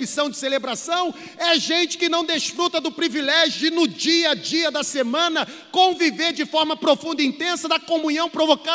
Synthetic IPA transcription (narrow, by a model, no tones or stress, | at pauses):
isɐ̃w̃d͡ʒɪselebɾasɐ̃w̃ | ɛʒẽnt͡ʃɪ̥kɪnɐ̃w̃d̪eʃfɾut̪ɐd̪ʊpɾivilɛʒjʊnʊd͡ʒiɐd͡ʒiɐd̪ɐsemɐ̃nɐkõviveɾd͡ʒɪfɔɾmɐpɾofũnd̪ɐĩnt̪ẽsɐd̪ɐkomũɲɐ̃w̃pɾovoka